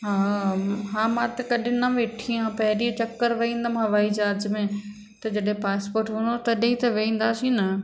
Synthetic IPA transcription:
ɦaːɦãːmãːt̪ɐkɐɗɪ̃nɐʋeːʈʰiãpɐɦɪɾit͡ɕɐkːəɾʋɐĩːn̆d̪əmɦɐʋaːid͡ʑaːɾd͡ʑmẽ | t̪ɐd͡ʑɐɗɦẽpaːspoːɾʈɦund̪ot̪ɐɗit̪ɐʋeĩːn̆d̪aːsĩnɐ

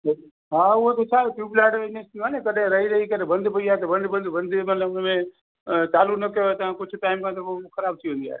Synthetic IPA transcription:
ɦãuot̪ot͡ʃʰapjuplaɖenesənekəɾẽɾəɦiɾəɦikəɾẽbənd̪ʱbəijat̪ɔbə̃nd̪bənd̪bənd̪ʱmət̪ləbome | t͡ʃalunəket̪əãkut͡ʃʰuʈaimkãt̪ɔokʰəɾaːbt͡ʃʰiɦoija̰

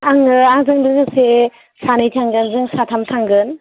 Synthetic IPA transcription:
aŋɯaŋzɯŋbɯzɯk̚se | sanɯjtʰaŋɡɯnzɯŋsatʰamtʰaŋɡɯn

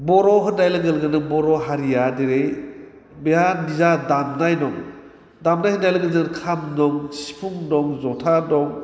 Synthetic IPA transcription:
bɔɾɔɦɯnajlɯɡɯlɡɯnɯbɔɾɔɦaɾijadeɾej | bejanizadamnajnɔŋ | damnajhɯnajlɯɡɯlɡɯnkʰamnɔŋsi̥pʰuŋnɔŋzɔtʰanɔŋ

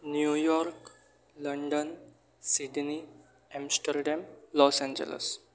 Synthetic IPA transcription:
njujɔɾk | ləɳɖən | siɖni | ɛ̃msʈəɾɖæmlɔːsɛ̃ɲd͡ʒḛlḛs

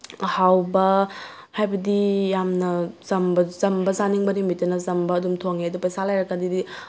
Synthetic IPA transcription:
hawbɐ | hajbɐdijamnɐzɐmbɐzɐmbɐzaniŋbɐnimitːɐnɐzɐmbɐːdumtʰoŋedɐpajsalajɾɐkːɐdidi

